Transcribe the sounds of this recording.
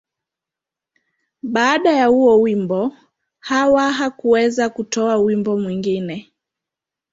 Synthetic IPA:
ɓaːɗajahuɔwimbɔ | hawaɦakuɛzakutɔawimbɔmwiŋɡinɛ

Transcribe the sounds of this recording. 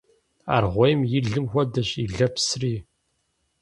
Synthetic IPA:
a̰ːrʁʷɔjmjɪɮɨmxʷɔdɐɕiɮɐpsriː

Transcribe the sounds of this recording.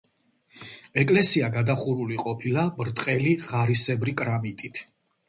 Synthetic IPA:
ɛkʼlɛsiaɡad̪aχuɾuliqʼɔpʰilabɾt̪ʼqʼɛliʁaɾisɛbɾikʼɾamit̪ʼit̪ʰ

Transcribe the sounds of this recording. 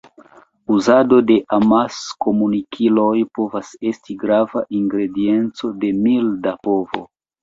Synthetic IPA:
uzado̞de̞ʔamasko̞munikʰilo̞jpo̞vase̞stiɡɾavaʔiŋɡɾe̞die̞nt͡so̞de̞mildapo̞vo̞̰

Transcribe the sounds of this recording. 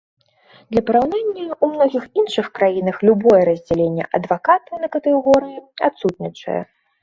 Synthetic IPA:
d̪lʲɐpɐɾawnanʲːɐumnɔɣʲixinʂɨxkɾajinɐxlʲubɔjɛɾɐzʲd͡zʲɛlʲenʲːɛ̰ʔɐd̪vakat̪ɨnɐkɐt̪ɨɣɔɾɨa̰t̪sut̪̚nʲit͡ʂɐ̰jɛ̰

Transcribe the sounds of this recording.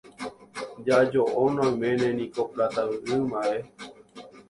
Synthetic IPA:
d͡ʒad͡ʒoʔonãmẽnẽnikopɾat̪aʋʔɨːmae

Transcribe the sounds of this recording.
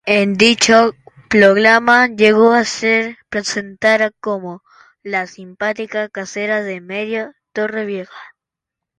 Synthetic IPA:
end̪it͡ʃo | pɾoɣɾamaʎeɣoaseɾpɾesent̪aɾakomo | lasimpat̪ikakaseɾaðemeðjot̪o̞re̞βjexḁ

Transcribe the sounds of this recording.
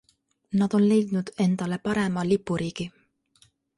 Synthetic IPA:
nɑd̪̥o̞nle̞jd̪̥nud̪̥e̞nd̪̥ɑle̞pɑɾe̞mɑlipːˑuɾiːɡ̥i

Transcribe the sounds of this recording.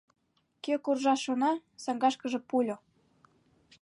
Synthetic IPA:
køkurʒɑʃonɑsɑŋɡɑʃkə̆ʒĕpulʲo

